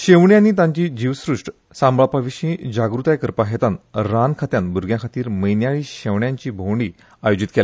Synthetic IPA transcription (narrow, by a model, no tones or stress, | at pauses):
ɕeʋɳjaniːt̪ãɲt͡ɕiːd͡ʑiʋsɾuʂʈ | sãmbɭapaʋiɕĩd͡ʑaɡɾut̪aekəɾpaɦet̪anɾankʰat̪janbuɾɡʱjãkʰat̪iːɾməjnjaɭiːɕeʋɳjaɲt͡ɕiːbʱowɳɖi | ajod͡ʑit̪kela